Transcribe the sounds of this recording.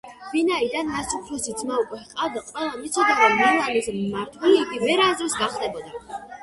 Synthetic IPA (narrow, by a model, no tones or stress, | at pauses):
vinaid̪anːasupʰɾɔsid̪zmaukʼwɛqʼavd̪aqʼwɛlˠanit̪sʰɔd̪aɾɔmːɛɾanismaɾt̪ʰwɛliːɡ̪imɛɾazɾɛsɡaχld̪ɛbɔd̪a